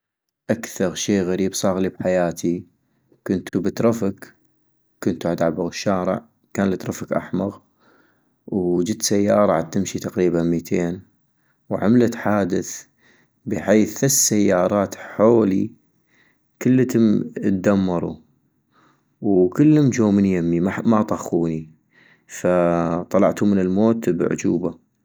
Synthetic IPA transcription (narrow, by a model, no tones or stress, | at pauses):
ʔakθɑɾˤʃeːɣaɾiːbsˤɑːɣlibħajaːt̪ʰi | kʊnt̪ubət̪ɾˤɑfakː | ʊnt̪uʕad̪aʕbaɣɪʃːaːɾɪ̰ʕ | kaːnlət̪ɾˤɑfakʔa̰ħmɑɣ | wd͡ʒɪt̪ːsajːɑːɾˤɑʕa̰d̪̚t̪ɪmʃit̪aqɾiːbanmiːt̪ʰeːn | wʕa̰mlat̪ħaːd̪ɪθ | bəħeːθːasːajːɑːɾˤɑːt̪ħoːli | kəlːt̪mt̪̚d̪amːɑɾˤṵ | wkəlːhʊmd͡ʒoːmɪnjamːimamat̪ˤɑxuːni | fat̪ˤɑlɑ̰ʕt̪umənɪlmoːt̪bʕʊ̰d͡ʒuːba